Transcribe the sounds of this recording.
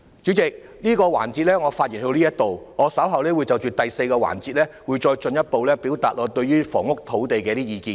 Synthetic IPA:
t͡ʃyː˨˥t͡sɪ˨k̚ | niː˥kɔː˧wa̰ː˨˩nt͡si˧t̚lɛː˥ŋɔː˨˧faː˧t̚jiː˨˩nhɵ˧wliː˥jɐ˥t̚t̪o˨wŋɔː˨˧˥sɐ˨˥wɦɐ˨wlɛː˥wuː˨˧jt͡sɐ˨wt͡ʃyː˨t̪ɐ˨jse˧jkɔː˧wa̰ː˨˩nt͡siː˧t̚lɛː˥wuː˨˧jt͡ʃɔː˧jt͡ʃɵ˧njɐ˥t̚po˨wlɛː˥piː˨˥wt̪aː˨t̚ʔɔː˨˧t̪ɵ˧ɥyː˥fɔ̰ː˨˩ŋʊ˥k̚t̪ʰo˨˥wt̪e˨jkɛː˧˥t̪iː˥jiː˨˧kiː˧n

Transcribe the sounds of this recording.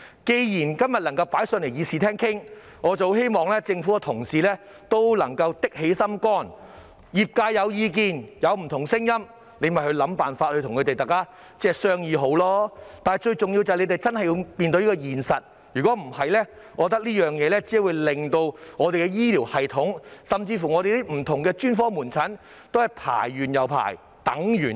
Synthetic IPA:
ke˧jjiː˨˩nkɐ˥mjɐ˨t̚lɐ˨˩ŋkɐ˧wpaː˨˥jsœ˧nle˨˩jiː˨˧siː˨t̪ʰɛː˥ŋkʰɪ˥ŋ | ŋɔː˨˧t͡sɐ˨ho˧˥whe˥jmɔː˨˩ŋlɛː˥t͡sɪ˧ŋfuː˨˥kɛ˧t̪ʰʊ˨˩ŋsiː˨lɛː˥ | t̪o˥wlɐ̰˨˩ŋkɐ˧wt̪ɪ˥k̚he˨˥jsɐ˥mkɔː˥n | jiː˨p̚kaː˧jjɐ˨˧wjiː˧k̬iː˨˧njɐ˨˧wm̩˨˩t̪ʰʊ˨˩ŋsɪ˥ŋjɐ˥m | le˨˧mɐ˨jhɵ˧ɥlɐ˨˧˥mpaː˨nfaː˧t̚hɵ˧t̪ʰʊ˨˩ŋkʰɵ˨˧t̪e˨jt̪aː˨˩kːaː˥ | t͡sɛː˥sœː˥ŋjiː˧ɦo˨˥wlɔː˥t̪aː˨˩nɐ˨˩jt͡ʃɵ˧ɥt͡sʊ˨ŋji˧wt͡sɐ˨le˨˧jt̪e˨jt͡sɐ˥nhɐ˨ji˧wpiː˨nt̪o˧wliː˥kɔː˧jiː˨˩nsɐ˨t̚ | jy˨˩kɔː˨˥m̩˨˩hɐ˨jlɛː˥ | ŋɔː˨˧t̪̬ɐ˥k̚liː˥jœː˨˩ŋjɛː˨˧lɛː˥t͡siː˨˥wu˨˧jlɪ˨ŋt̪o˧wŋɔː˨˧t̪e˨kɛ˧jiː˥liː˨˩whɐ˨jt̪ʰʊ˨˥ŋsɐ˨mt͡siː˧fu˨˩ŋɔː˨˧e˨jli˥m̩˨˩t̪ʰʊ˨ŋkɛː˧t͡ʃyː˥nfɔː˥muː˨˩nt͡sʰɐ˨˥n | t̪o˥whɐ˨jpʰa̰ː˨˩jːyː˨njɐ˨wpʰa̰ː˨˩j | t̪ɐ˨˥ŋjyː˨˩n

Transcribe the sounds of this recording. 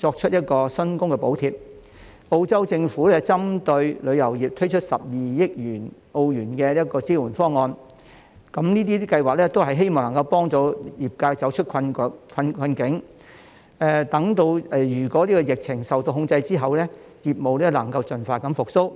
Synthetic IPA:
t͡ʃɔː˧k̚t͡ʃʰɵ˥t̚jɐ˥t̚kɔː˧sɵ˥nkʊ˥ŋkɛ˧po˨˥wt̪ʰiː˨p̚ | o˧wt͡sɐ˥wt͡sɪ˧ŋfuː˨˥lɛ˥t͡sɐ˥mt̪ɵ˧ɥlɵ˨˧ɥjɐ˨˩wjiː˨˩p̚t̪ʰɵ˥ɥt͡ʃʰɵ˥t̚sɐ˨p̚jiː˨jɪ˥k̚jyː˨˩n | o˧wjyː˨˩nkɛː˧jɐ˥t̚kɔː˧t͡siː˥wuː˨˩nfɔː˥ŋɔː˧n | kɐ˨˧˥mniː˥t̪iː˥kɐ˧jwaː˨k̚lɛ˥t̪o˥whɐ˨jɦe˥jmɔː˨˩ŋlɐ˨˩ŋkɐ˧wpɔː˥ŋt̪ɔː˨˧jiː˨˩p̚kaː˧jt͡sɐ˨˥wt͡ʃʰt̚kʰɐ˧n˨˥kʰɐ˧nkʰɐ˧nkɪ˨˥ŋ | ɛ˨˩t̪ɐ˨˧˥ŋt̪o˧wɛ˨˩jyː˨˩kɔː˨˥liː˥kɔː˧jɪ˨k̚t͡sʰɪ˨˩ŋsɐ˨wt̪o˧wɦʊ˧ŋt͡sɐ˧jt͡siː˥ɦɐ˨wlɛ˥ | jiː˨˩p̚mo˨wlɛ˥lɐ˨˩ŋkɐ˧wt͡sɵ˨˩nfaː˧˩t̚kɐ˨˥mfʊ˨k̚so˥w

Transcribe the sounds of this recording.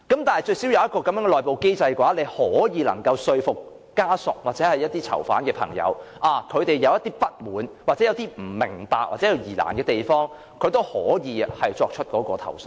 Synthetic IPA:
kɐ˨˥mt̪aː˨nhɐ˨jt͡ʃɵ˧ɥsiː˨˥wjɐ˨˧wjɐ˥t̚kɔː˧kɐ˨˥mjœː˨˥ŋɛ˧lɔː˨˩jpo˨wke˥jt͡sɐ˧jkwaː˨˥le˨˧jhɔː˨˥jiː˨˧lɐ˨˩ŋkɐ˧wsɵ˧ɥfʊ˨kː | aː˥sʊ˨k̚waː˨t̚t͡sɛː˨˥hɐ˨jɐ˥t̚t̪iː˥t͡sʰɐ̰˨˩wfa̰ː˨˥nkɛː˧pʰɐ̰˨˩ŋjɐ̰˨˧wʔaː˨˩kʰɵ˨˧t̪e˨jːɐ˨˧wjɐ˥t̪iː˥pɐ˥t̚muː˨nwa˨t͡sɛ˨˥jɐ˨˧wt̪iː˥m̩˨˩mɪ˨˩ŋpaː˨k̚waː˨t̚t͡sɛː˨˥jɐ˨˧wjiː˨˩la̰ː˨˩nkɛː˧t̪e˨jfɔː˥ŋ | kʰɵ˨˧ɥt̪o˥whɔː˨˥jiː˨˧hɐ˨jt͡sɔː˧k̚t͡ʃʰɵ˥t̚kɔː˨˥kɔː˧t̪ʰɐ̰˨˩ws

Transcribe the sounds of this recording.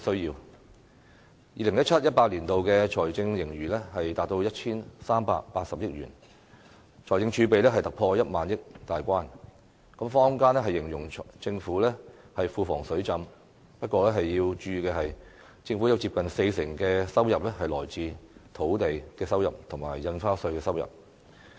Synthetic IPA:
sɵ˥ɥjiː˧w | jiː˨lɪ˨˩ŋjɐ˥t̚t͡ʃʰɐ˥t̚jɐ˥t̚paː˧t̚liː˨˩nt̪o˨wkɛː˧t͡ʃʰɔː˨˩jt͡sɪ˧ŋjɪ˨˩ŋjyː˨˩lɛ˥hɐ˨jt̪aː˨t̚t̪o˧wjɐ˥t̚t͡ʃʰiː˥nsaː˥mpa̰ː˧k̚paː˧t̚sɐ˨p̚jɪ˥k̚ɥyː˨˩n | t͡ʃʰɔː˨˩jt͡sɪ˧ŋt͡ʃʰyː˨˧˥pe˨jlɛː˥ɦɐ˨jt̪ɐ˨k̚pʰɔː˧jɐ˥t̚maː˨njɪ˥k̚t̪aː˨jkʷaː˥n | kɐ˨˥mfɔː˥ŋkaː˥nlɛ˥ɦɐ˨jːɪ˨˩ŋjʊ˨˩ŋt͡sɪ˧ŋfuː˨˥lɛː˥hɐ˨jfuː˨fɔː˨˩ŋsɵ˨˥ɥt͡sɐ˧m | pɐ˥t̚kʷːɔː˧lɛ˥ɦɐ˨jːiː˧wt͡ʃyː˧kɛː˧ɦɐ˨j | t͡sɪ˧ŋfu˨˥jɐ˨˧wt͡siː˧p̚kɐ˨nse˧jsɪ˨˩ŋkɛː˧sɐ˥wjɐ˨p̚lɛ˥ɦɐ˨jlɔː˨˩jt͡siː˨˧t̪ʰo˨˥wt̪e˨jkɛː˧sɐ˥wjɐ˨p̚t̪ʰʊ˨˩ŋmaː˨˩jːɐ˧nfaː˥sɵ˧ɥkɛː˧sɐ˥wjɐ̰˨p̚

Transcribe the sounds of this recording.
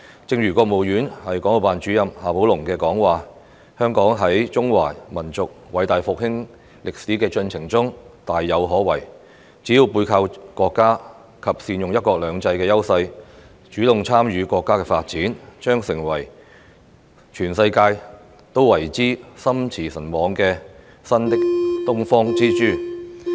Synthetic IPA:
t͡sɪ˧ŋɥyː˨˩kɔː˧k̚mo˨wjyː˨˥nhɐ˨jkɔː˨˥ŋo˨wpaː˨nt͡ʃyː˨˥jɐ˨˧mhaː˨˧pʰo˨˥wlʊ˨˩ŋkɛː˧kɔː˨˥ŋwaː˨ | hœː˥ŋkɔː˨˥ŋɦɐ˨˥jt͡sʊ˥ŋwa̰ː˨˩mɐ˨˩nt͡sʊ˨k̚wɐ˨˥jt̪aː˨jfʊ˨k̚hɪ˥ŋ | lɪ˨k̚siː˨˥kɛː˧t͡ʃɵ˧nt͡sʰɪ˨˩ŋt͡sʊ˥ŋt̪aː˨jːɐ˨˧wɦɔː˨˥wɐ˨˩j | t͡siː˨˥ji˧wpuː˧jkʰaː˧wkɔː˧kːaː˥ | kʰɐ˨p̚siː˧njʊ˨ŋjɐ˥t̚kɔː˧k̚lœː˨˧ŋt͡sɐ˧jkɛː˧jɐ˥wsɐ˧j | t͡ʃyː˨˥lʊ˨ŋt͡sʰaː˥mɥyː˨˧kɔː˧kːaː˥kɛː˧faː˧t̚t͡siː˨˥nt͡ʃœː˥ŋsɪ˨˩ŋwɐ˨˩j | t͡ʃʰyː˨˩nsɐ˧jkaː˧j | t̪o˥wwɐ˨˩jt͡siː˥sɐ˥mt͡sʰiː˨˩sɐ˨˩nmɔː˨˧ŋkɛː˧ | sɐ˥nt̪ɪ˥k̚t̪ʊ˥ŋfɔː˥ŋt͡siː˥t͡ʃyː˥

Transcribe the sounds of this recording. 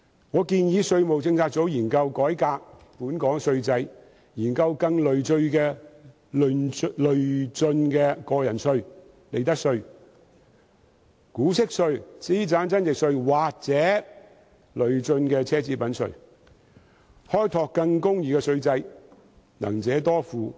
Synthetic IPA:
ŋɔː˨˧kiː˧njiː˨˧sɵ˧ɥmo˨wt͡sɪ˧ŋt͡sʰaː˧k̚t͡so˨˥wjiː˨˩nkɐ˧wkɔː˨˥jkaː˧k̚ | puː˨˥nkɔː˨˥ŋsɵ˧ɥt͡sɐ˧j | jiː˨˩nkɐ˧wkɐ˧ŋlɵ˨ɥt͡sɵ˧ɥkɛː˧ | llɵ˨ɥt͡sɵ˧nkɛː˧kɔː˧jɐ˨˩nsɵ˧ɥ | le˨˩jt̪ɐ˥k̚sɵ˧ɥ | kuː˨˥sɪ˥k̚sɵ˧ɥt͡siː˥t͡saː˨˥nt͡sɐ˥nt͡sɪ˨k̚sɵ˧ɥwaː˨k̚t͡sɛː˨˥ | lɵ˨ɥt͡sɵ˧nkɛː˧t͡sʰɛː˥t͡siː˧pɐ˨˥nsɵ̰˧ɥ | hɔː˥jt̪ʰɔː˧kːɐ˧ŋkʊ˥ŋjiː˧kɛː˧sɵ˧ɥt͡sɐ˧j | nɐ̰˨˩ŋt͡sɛː˨˥t̪ɔː˥fuː˨˧

